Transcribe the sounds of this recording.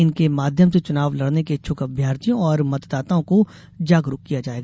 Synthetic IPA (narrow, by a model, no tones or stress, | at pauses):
ɪnkemaːd̪ʱjəmset͡ʃʊnaːʋlɐɽneket͡ʃʰʊkɐbʱjaːɾt̪ijõɔːɾmɐt̪d̪aːt̪aõko | d͡ʒaːɡɾʊkkːijad͡ʒaːeːɡaː